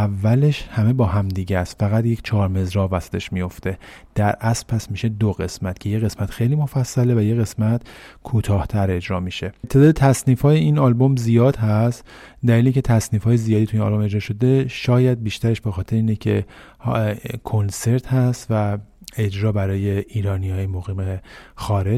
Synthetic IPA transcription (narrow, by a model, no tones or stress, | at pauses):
ævːæle̞ʃhæme̞bɒːhæmd̪iːɟest̪fæɣæt̪je̞cʰt͡ʃʰɒːɾme̞zɾɒːvæsæ̥t̪ʰe̞ʃmijo̞ft̪e̞d̪̥æɾʔæspʰæsmiːʃe̞d̪oɣe̞smæt̪cʰe̞jeɣe̞smæt̪xejlimo̞fæsːæle̞væjeɣe̞smæt̪kʰuːt̪ʰɒːht̪ʰæɾe̞d͡ʒɾɒːmiːʃe̞t̪ʰe̞d̪ɒːd̪et̪ʰæsniːfhɒːjeiːnɒːlbo̞mzijɒːd̪hæst̪d̪æliːleikcʰe̞t̪ʰæsniːfhɒːjezijɒːd̪it̪ʰuinɒ̰lbo̞me̞d͡ʒɾɒːʃo̞d̪e̞ʃɒːjæd̪̚biːʃt̪æɾeʃbe̞xɒːt̪ʰe̞ɾeiːnecʰe̞̰ | kʰo̞nse̞ɾt̪hæst̪væe̞d͡ʒɾɒːbæɾɒːjeʔiːɾɒːnihɒːjemoɣiːmexɒːɾe̞